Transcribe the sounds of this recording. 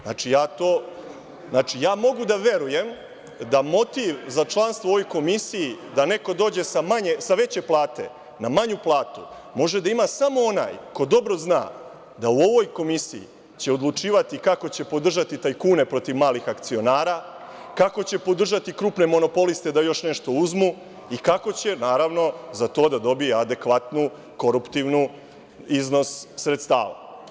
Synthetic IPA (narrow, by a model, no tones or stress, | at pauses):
na̰ːt͡ʃijaːt̪oː | znaːt͡ʃijaːmo̞ɡud̪aʋe̞ɾuje̞m | d̪amo̞t̪iʋzat͡ʃlˠaːnst̪ʋooʋo̞jko̞misijid̪ane̞ko̞d̪oːd͡ʑe̞samaɲesaʋe̞t͡ɕe̞plˠaːt̪e̞̰ | namaɲuplˠaːt̪u | mo̞ʒe̞d̪aimaːsamo̞ona̰ːjko̞d̪o̞bɾo̞zna̰ː | d̪auo̞ʋo̞jko̞misḭḭ | t͡ɕe̞od̪lˠut͡ʃiːʋat̪ikako̞t͡ɕe̞po̞d̪r̩ʒat̪it̪ajkuːne̞pɾo̞t̪iʋmaːlixakt̪sio̞naːɾaː | kako̞t͡ɕe̞po̞d̪r̩ʒat̪ikɾupne̞mo̞no̞po̞list̪e̞d̪ajo̞ʃneʃt̪o̞uzmu | ikako̞t͡ɕe̞naːɾaʋno̞zat̪o̞ːd̪ad̪o̞bijead̪e̞kʋat̪nu | ko̞ɾupt̪iʋnu | izno̞sːɾet̪st̪a̰ːʋa̰